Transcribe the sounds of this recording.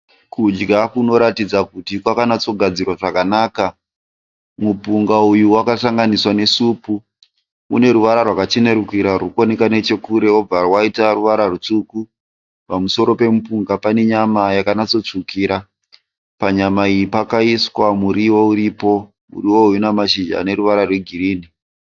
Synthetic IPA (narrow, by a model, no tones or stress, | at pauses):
kud͡ʒɡakuno̞ɾatid͡zakutikwakanat͡so̞ɡʱad͡zirwaʐakanaːka | mupuŋɡaujuwakasaŋɡaniswane̞supu | ṵne̞ɾuʋaɾarwakat͡ʃene̞ɾukiɾarukonekane̞t͡ʃe̞kuɾe̞ob͡varwaitaruʋaɾarut͡ʂuku | pamuso̞ɾo̞pe̞mupuŋɡapane̞ɲamajakanat͡so̞t͡ʂukiːɾa | paɲamaijipakaiswamuɾiwouɾipo̞ | mṵriwo̞ujunamaʃid͡ʒa̰ne̞ɾuʋaɾarwe̞ɡʱiɾiːni